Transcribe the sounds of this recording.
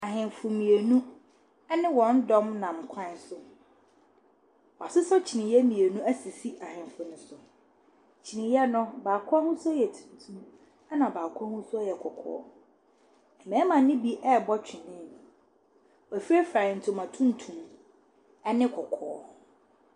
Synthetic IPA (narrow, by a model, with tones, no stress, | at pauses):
a˨ɦɪ̃˨mfʊ˨mĩ˨e˨nũ˦ | ɛ˦nɪ̃˦wɔ̃˨n̩˦dɔ̃˦mnã˨m˨kʷʰã˦˨n˦sʊ˦ | wɔ˨a˨sʊ˦sɔ˦t͡ɕʰi˨nɪ̃˨jɛ˦mĩ˨e˨nũ˦æ˦si˨si˦ʔa˨hɪ̃˨m˨fʊ˨nʊ̃˨˦sʊ˨ | t͡ɕʰi˨nɪ̃˨jɛ˦nʊ̃˦baː˨kʰʊ˦a˦hʊ̃˦sʊ˦jɛ˨tʰũ̥˨n˨tʰũ˦m | a˦nã˨baː˨kʰʊ˦a˦hʊ̃˦sʊ˦a˦jɛ˨kʰɔ˨kʰɔ̰ː˦ | ɛ˨mɛ̃˨˦mã˨n˦nɪ̃˦bi˦ʔɛ˦˨bɔ˦t͡ɕᶣɪ˨nɪ̃˦˨ñ˨ | ɔ˨fi˦ɾe˦fɾa˨n̩˨tʰʊ̃˨mã˨tʰũ˦n̩˨tʰũ˨m | ɛ˦nɪ̃˦kʰɔ˨kʰɔ̰ː˨˦